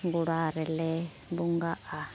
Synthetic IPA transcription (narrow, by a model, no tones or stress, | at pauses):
ŋɡuɺaɾɛlɛ | buŋɡaʔa